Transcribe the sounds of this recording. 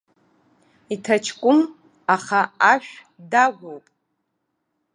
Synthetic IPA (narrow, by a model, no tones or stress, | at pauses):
itʰat͡ʃʰkʷʼʊm | aχaaʃᶣ | daɡʷowpʼ